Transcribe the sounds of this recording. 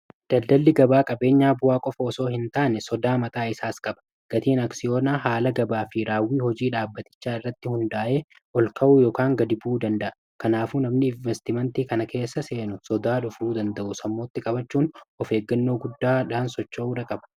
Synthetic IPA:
d̪̥ɐld̪ɐlːɪɡɐbaːkʼɐbe̞ːɲːaːbʊwaːkʼɔfɐɔso̞ːhɪnt̪aːnɛsɔd̪aːmɐt̪ʼaːɪsaːskʼɐbɐ̥ | ɡ̥ɐt̪iːnɐksɪjo̞ːnaːɦaːlɐɡɐbaːfɪɾaːwːiːhɔd͡ʒiːᶑaːbːɐt̪ɪ̥t͡ʃːaːɪrːɐt̪ːɪhʊnd̪aːʔeː | ʔɔlkɐʔuːjoːkaːŋɡɐd̪ɪbuːd̪ɐnd̪ɐʔɐ | kɐnaːfunɐmnɪɪɱvɛst̪ɪmɛnt̪iːkɐnɐke̞ːsːɐse̞ːnʊsɔd̪aːᶑʊfɾuːd̪ɐnd̪ɐʔʊsɐmːo̞ːt̪ːɪkʼɐbɐt͡ʃːuːnɔfe̞ːɡːɐnːo̞ːɡʊd̪ːaːᶑaːnsɔt͡ʃːouᶑɐkʼɐbɐ̥

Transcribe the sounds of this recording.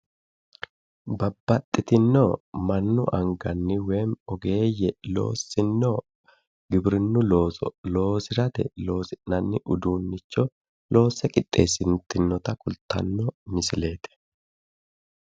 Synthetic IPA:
bɐbːɐt̪ʼːɪt̪ɪnːomɐnːʊ̰ʔɐŋɡɐnːɪwe̞ːmɔɡe̞ːjːɛlo̞̰ːsːɪnːɔ | ɡɪbɾɪnːʊloːsɔlo̞ːsɪɾɐt̪ɛlo̞ːsɪnɐnːɪʔʊd̪uːnːɪt͡ʃːɔ | lo̞ːsːɛkʼɪt̪ʼːe̞ːsːɪnt̪ɪnːɔt̪ɐkʊlt̪ɐ̰nːɔmɪsɪle̞ːt̪ɛ̥

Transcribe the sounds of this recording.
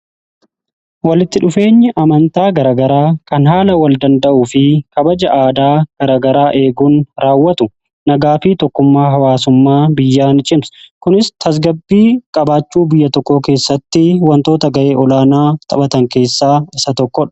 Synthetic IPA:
wɐlɪt̪ːɪᶑʊfe̞ːɲːɪʔɐmɐnt̪aːɡɐɾɐɡɐɾaːkɐnɦaːlɐwɐld̪ɐnd̪ɐʔʊfɪkɐbɐd͡ʒɐʔaːd̪aːɡ̥ɐɾaːɡɐɾaːʔe̞ːɡuːnɾaːwːɐt̪ʊ | nɐɡaːfɪt̪ɔkːʊmːaːɦɐwaːsʊmːaːbɪjːaːnɪt͡ʃʼɪmskʊnɪst̪ʰɐs̬ɡɐbːiːkʼɐbaːt͡ʃːuːbɪjːɐt̪ɔkːoːke̞ːsːɐt̪ːɪwɐnt̪o̞ːt̪ɐɡɐʔe̞ːɔlaːnaːt̪ʼɐbɐt̪ɐŋke̞ːsːaːɪsɐt̪ɔkːɔᶑɐ̥

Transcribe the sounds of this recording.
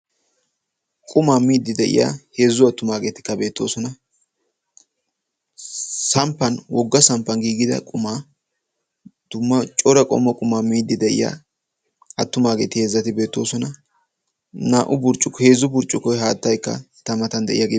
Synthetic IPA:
kʼʊmaːmiːd̪ːɪd̪ɛʔɪ̰ja̰ːhe̞ːzːʊɐt̪ːʊmaːɡe̞ːt̪ɪ̥kːɐbe̞ːt̪ːo̞̰ːsɔnɐ | sɐmpːɐnwɔɡːɐsɐmpːɐnɡiːɡɪd̪ɐ̰kʼʊmaː | d̪̥ʊmːɐt͡ʃʼɔɾɐkʼɔ̰mːɐkʼʊmaːmiːd̪ːɪd̪ɛʔɪ̰ja̰ː | ɐt̪ːʊmaːɡe̞ːt̪ɪheːzːɐt̪ɪbe̞ːt̪ːo̞ːsɔnɐ | naːʔʊbʊɾt͡ʃʼːʊkhe̞ːzʊbʊɾt͡ʃʼːʊkɔjɦaːt̪ːɐjkːɐ̰ | t̪ɐmɐt̪ɐnd̪ɛ̰ʔɪ̰jaɡ

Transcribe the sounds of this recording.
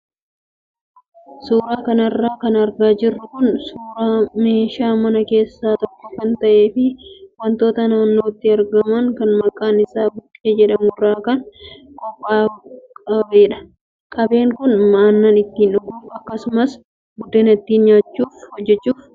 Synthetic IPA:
suːɾaːkɐnɐrːaːkɐnɐɾɡaːd͡ʒɪrːʊkʊnsuːɾaːme̞ːʃaːmɐnɐke̞ːsːaːt̪ɔkːɔkɐnt̪ɐʔe̞ːfɪwɐnt̪o̞ːt̪ɐnaːnːo̞ːt̪ːɪɐɾɡɐmɐŋkɐnmɐkʼaːnɪsaːbʊkʼːe̞ːd͡ʒɛᶑɐmuːrːaːkɐn | kʼɔpʼːaːkʼɐbeːᶑɐ̥ | kʼɐbe̞ːŋkʊnmaːnːanɪt̪ːiːnᶑʊɡuːɐkːɐsʊmɐs | ɡʊd̪ːeːnɐt̪ːiːnɲaːt͡ʃːuːfhɔd͡ʒːɛt͡ʃːuːf

